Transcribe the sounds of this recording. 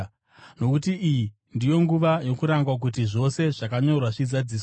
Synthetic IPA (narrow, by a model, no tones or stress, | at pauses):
no̞kutiʔiji | ndijo̞ŋɡuʋajo̞kuɾaŋɡwak̬ut̬iʐo̞se̞ʐakaɲo̞rwaʐizad͡ziːsw